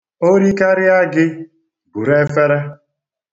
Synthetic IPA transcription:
o˦ɾi˦ka˦ɾɪ˦a˦ɡɪ˦ | bu˨ɾe˦fe˦ɾe˦

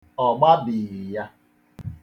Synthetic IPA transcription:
ɔ˨ɡ͡ba˦bɪ˨ɾja˦

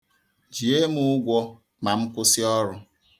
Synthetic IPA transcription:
d͡ʒi˨e˦mʊ˦ɡʷɔ˦ | ma˨m̩˦kʷʊ˦sɪ˦ɔ˦ɾʊ˦

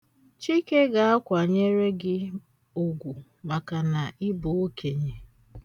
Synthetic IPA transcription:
t͡ʃi˦ke˦ɡa˨a˦kʷa˨ɲe˦ɾe˦ɡɪ˦ | o˨ɡʷu˨ | ma˨ka˨na˨ɪ˦bo˨o˦kʰe˨ɲe˨

